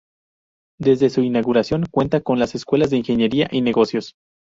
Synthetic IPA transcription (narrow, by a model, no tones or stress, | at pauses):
d̪e̞zðe̞suinaɣuɾasjo̞ŋkwe̞nt̪ako̞nlase̞skwe̞lazðe̞inxe̞ɲe̞ɾiaʔine̞ɣo̞sjo̞s